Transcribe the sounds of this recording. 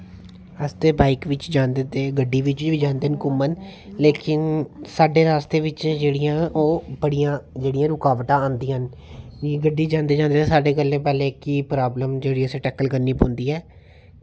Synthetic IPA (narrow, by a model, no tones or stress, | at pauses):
əst̪eːbaːɪkʋɪt͡ʃd͡ʒãːnd̪et̪eːɡəɖːiːʋɪt͡ʃʋiːd͡ʒãːnd̪eːənkʊmːənleːkɪnsaːɖeːɾaːst̪eːʋɪt͡ʃd͡ʒeːɽɪjãːʔoːbəɽijãːd͡ʒeːɽɪjãːɾʊkaːʋʈ̪ãːãːnd̪ĩːɦən | iːɡəɖːiːd͡ʒãːnd̪eːd͡ʒãːnd̪eːt̪esaːɖeːkəlːẽːpɛːleːkiːpɾaːbləmd͡ʒeːɽiːəsẽːʈɛːkəlkəɾniːpõːnd̪iːɛː